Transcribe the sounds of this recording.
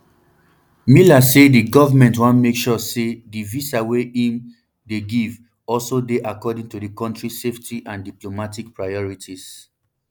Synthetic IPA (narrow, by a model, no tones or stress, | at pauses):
milasediɡɔvamɛ̃ntwɔ̃nmekʃɔsedivisaweĩm | deɡiv | ɔlsodeʔakɔdĩŋtudikɔ̃ntɹiseftʰiʔãndiplomatik̚pɹajɔɹitis